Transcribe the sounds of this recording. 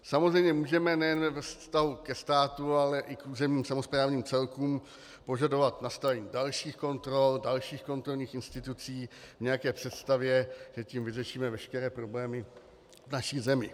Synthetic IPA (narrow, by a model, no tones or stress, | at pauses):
samozrɛjmɲɛmuːʒɛmɛnɛjɛnvvɛfsst̪aɦukɛst̪aːt̪ualɛʔɪkʔuːzɛmɲiːmsamo̞spɾaːvɲiːmt͡sɛlkuːm | po̞ʒado̞vat̪nast̪avɛɲiːdalʃiːxko̞nt̪ɾo̞ldalʃiːxko̞nt̪ɾo̞lɲiːxɪnst̪ɪt̪ut͡siːvɲɛjakɛːpr̝̥ɛt̪st̪avjɛʒ̥ɛcimvɪrɛʃiːmɛvɛʃkɛɾɛːpɾo̞blɛːmɪ | vnaʃiːzɛmɪ